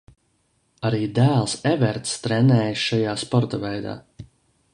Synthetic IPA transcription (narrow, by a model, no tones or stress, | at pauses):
aɾiːd̪æːlˠsɛvɛɾt̪st̪ɾɛnɛːjsʃajaːspɔɾt̪avɛjd̪a̰ː